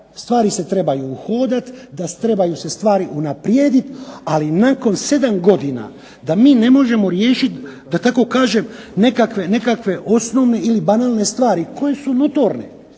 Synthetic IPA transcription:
st̪ʋaːɾise̞t̪ɾe̞bajuːxo̞ːd̪at̪d̪at̪ɾe̞bajuse̞st̪ʋaːɾiʔunapɾje̞ːd̪it̪alinaːko̞nse̞d̪amɡo̞d̪ina̰ | d̪amiːne̞mo̞ʒe̞mo̞ɾje̞ːʃit̪d̪at̪ako̞kaːʒe̞m | ne̞kakʋe̞ne̞kakʋe̞ʔo̞sno̞ʋne̞ilibanaːlˠne̞st̪ʋaːɾikʰo̞je̞sunot̪oɾne̞̰

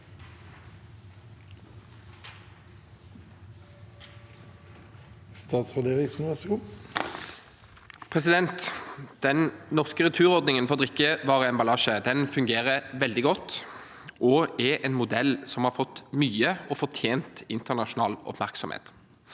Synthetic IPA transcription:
st̪ɑːt̪sʁɛd̪eːʁɪŋsn̩ʋæsɡuː | pʰʁɛsɪd̪ɛnt̪d̪̥ɛnnɔʁskəʁʉt̪ʰʉːʁɔʁd̪nɪŋənfɔʁd̪ʁɪkːəʋɑːʁəɛːnbɑlɑːʃəd̪ɛnfʉŋɡeːʁəʋɛld̪ɪɡɔt̪ː | ʔɔɛʔɛnmʊd̪ɛlːsɔmhɑʁfɔt̪ːmyːəɔfɔʁt̪ʰjeːnt̪ɪnt̪əʁnɑʃʊnɑ̰ːlɔ̰pmæʁksɔ̰mhḛːt̪

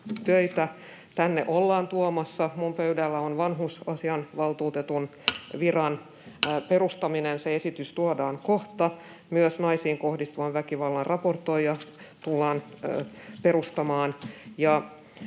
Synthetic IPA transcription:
t̪øit̪æ | t̪ænːḛʔolːɑːnt̪uomɑsːɑmumpøydælːæonʋɑnɦusɑsiɑnʋɑlt̪uːt̪et̪un | ʋirɑn | pe̞rust̪ɑminenseesit̪yst̪uodɑːŋkoht̪ɑ | myøsnɑisiːŋko̞hdist̪uʋɑʋʋækiʋɑlːɑrrʔɑport̪ːˑojjɑ | t̪ulːɑːn | pe̞ɾust̪ɑmɑːnjɑ

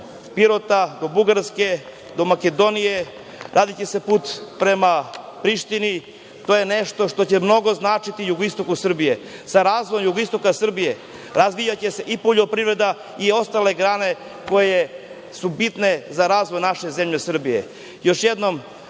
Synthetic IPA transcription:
piɾot̪ad̪o̞buɡaɾske̞ | d̪o̞make̞d̪o̞nije̞ | ɾaːd̪it͡ɕe̞se̞puːt̪pɾe̞mapɾiʃt̪ini | t̪oːje̞neʃt̪o̞ʃt̪o̞t͡ɕemno̞ɡo̞znaːt͡ʃit̪ijuɡoist̪o̞kusr̩bijesaɾaːzʋojomjuɡoist̪o̞kasr̩bije̞ | ɾazʋijat͡ɕese̞ʔipo̞ʎo̞pɾivɾe̞d̪a | io̞st̪ale̞ɡɾaːne̞ | ko̞je | subit̪ne̞zaɾaːzʋo̞jnaʃe̞zemʎesr̩bije̞̰ | jo̞ʃjed̪no̞m

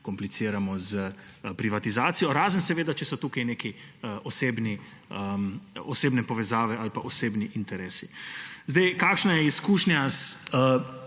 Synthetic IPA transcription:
kɔmplisiːɾamɔzə | pɾiʋat̪izaːt̪sijɔɾaːzənsɛʋeːd̪at͡ʃɛsɔt̪uːkajneːkiəʔɔseːbni | əmɔseːbnɛpɔʋɛzaːʋɛalpaʔɔseːbniʔint̪ɛɾeːsizd̪ajkaːkʃnajɛiskuːʃnjasə

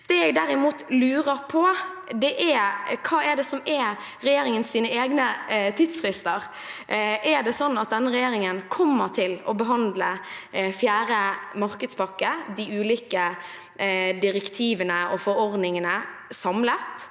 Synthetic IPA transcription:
d̪̥ɛɛɡd̪æɾɪmuːt̪lʉːɾəɾpʰɔd̪ɛʔɛkʰɑːɛɖ̪ɛsɔmɛ | ɾɛjeːɾɪŋənsiːnəeːɡnət̪ʰid̪sɾɪst̪əɾ | ʔɛɖ̪ɛsɔnːɑt̪̚d̪ɛnːəɾɛjeːɾɪŋənkʰɔmːəɾt̪ʰɪlɔbəɦɑnd̪ləfjæːɾəmɑɾkəd̪spʰɑkːəd̪ɪʉːliːkə | d̪ɪɾɛkt̪ʰiːʋənəɔfɔɾɔɾd̪nɪŋənəsɑmlət̪

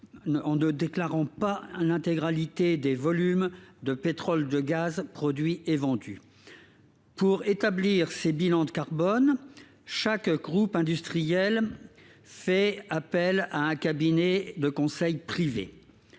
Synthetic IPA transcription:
ɑ̃nəd̪eklaʁɑ̃palɛ̃t̪eɡʁalit̪ed̪evɔlymd̪əpet̪χɔld̪əɡazpχɔd̪ɥiʔevɑ̃d̪y̰ | puʁet̪abliʁsebilɑ̃d̪əkaʁbɔn | ʃakɡʁupɛ̃d̪yst̪χijɛl | fɛapɛlaɛ̃kabined̪əkɔ̃sɛjpχivḛ

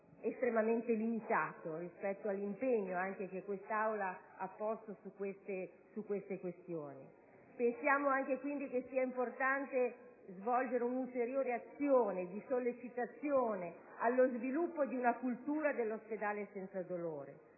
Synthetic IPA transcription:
est̪ɾemament̪elimit̪aːt̪orispɛt̪ːoalːimpeɲːoaŋk̟ek̟ekːwest̪awlaapːɔst̪osukːwest̪e | sukwest̪ekwest̪joːni | pensjaːmoaŋk̟ekwind̪ik̟esiːaimport̪ant̪e | zvɔld͡ʒeɾeunult̪eɾjoːɾeat̪sːjoːned̪isolːet͡ʃit̪at̪sːjoːne | alːozvilupːod̪iunakult̪uːɾad̪elːosped̪aːlesɛnt̪sad̪oloːɾe

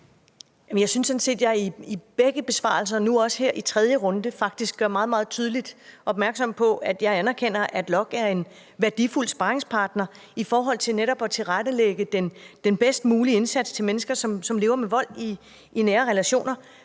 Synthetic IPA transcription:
jmnjɑ̈ɪsynsːɔ̽n̩se̝̰ːd̥jɑ̈iib̥eɡ̥əb̥e̝sʋɑ̰̈ːl̩s̬ɐnuɒ̽sə̥heɐ̰ʔit͡sʰʁɛð̞ˠjəʁɔ̽nd̥əfɑ̈ɡ̥̚d̥isɡ̥ɡ̥ɶɐmɑ̈ːð̩ˠmɑ̈ːð̩ˠt͡sʰyːð̞ˠlid̥ɒ̽b̥mæɐɡ̥sɒ̽m̰pʰɒ̽ʔæd̥jɑ̈ɪænæɐkʰen̰ɐʔæd̥lɒ̽ɡ̥æɐe̝n | ʋæɐd̥iful̰sb̥ɑ̈ːʁeŋspʰɑ̈ːd̥nɐ | ifɒːɦɒ̽l̰t͡sʰe̝lneɾɒ̽b̥ɒ̽t͡sʰe̝lʁad̥əleɡ̥əd̥end̥enb̥esd̥muːlie̝nsæd̥st͡sʰe̝lmenəsɡ̥ɐsɒ̽msɒ̽mle̝ːʊɐmeʋɒ̽l̰i | inæːɐʁɛlæɕo̝̰ːnɐ

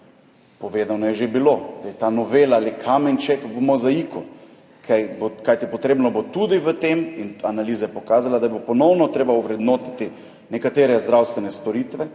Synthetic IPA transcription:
poʋeːd̪anɔjɛʒebilod̪̥ajɛt̪anɔʋeːlaalikʰamɛnt͡ʃɛkʋəmɔzaikɔ | kʰajbokajt̪ipɔt̪ɾeːbnɔbot̪ud̪iʋət̪eminanaliːzajɛpokaːzalad̪abopɔnɔwnɔt̪ɾeːbauʋɾɛd̪noːt̪i̥t̪i | nɛkat̪eːɾɛzd̪ɾawst̪ʋɛnɛst̪ɔɾiːt̪ʋɛ

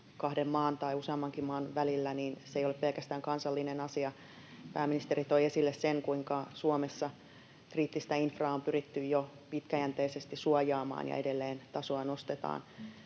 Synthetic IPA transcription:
kɑhdemmɑːnt̪ɑiuseɑmːɑŋkimmɑːnʋælilːæniːnseijoleppelkæst̪æːŋkɑnsɑlːinenɑsiɑ | pæːminist̪eɾit̪oiesilːesseŋkuiŋkɑsuomesːɑ | kriːt̪ːist̪æinfrɑːompyrit̪ːyjjo | pit̪kæjænt̪eisest̪isuojɑːmɑ̰ːnjɑ̰edelːeːnt̪ɑsoɑnost̪et̪ɑ̰ːn

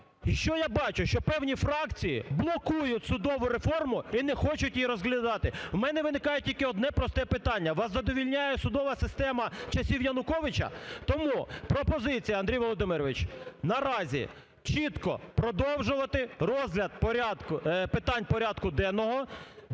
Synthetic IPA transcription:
iʃt͡ʃɔjabɑt͡ʃʊʃt͡ʃɔpɛwnʲifɾɑkt͡sʲijḭblˠɔkujʊtʲsʊd̪ɔʋʊɾefɔrmʊinɛxɔt͡ʃʊtʲjiɾɔzɦlʲɐd̪ɑt̪ɪwmɛnɛʋɪnɪkɑjʊtʲilʲkɪɔd̪nɛpɾɔst̪ɛpɪt̪ɑnʲːɐʋɑszɐd̪ɔʋʲilʲnʲajɛsʊd̪ɔʋɐsɪst̪ɛmɐt͡ʃɐsʲiwjɐnʊkɔʋɪt͡ʃɐ̰t̪ɔmupɾɔpɔzɪt͡sʲijɐɐnd̪ɾʲijʋɔlˠɔd̪ɪmɪɾɔʋɪt͡ʃnɐɾɑzʲḭ | t͡ʃit̪kɔ̰pɾɔd̪ɔwʒʊʋɐt̪ɪrɔzɦlʲɐd̪̚pɔɾʲɑd̪kʊpɪt̪ɑnʲpɔɾʲɑd̪kʊd̪ɛnɔɦɔ

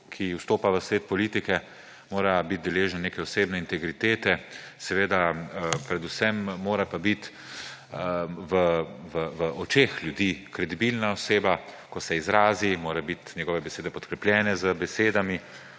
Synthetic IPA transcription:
kʰiust̪oːpaʋəsʋeːt̪̚pɔliːt̪ikɛ | moːɾabit̪̚d̪ɛleːʒɛnneːkɛɔseːbnɛint̪ɛɡɾit̪eːt̪ɛ | sɛʋeːd̪apɾɛd̪usɛmːoːɾapabit̪ | ʋəʋəʋəʔɔt͡ʃeːxljud̪iːkɾɛd̪ibilnaɔseːbakɔsɛizɾaːzimoːɾabit̪nɛɡɔːʋɛbɛseːd̪ɛpɔt̪kɾɛpljɛːnɛzəbɛseːd̪ami

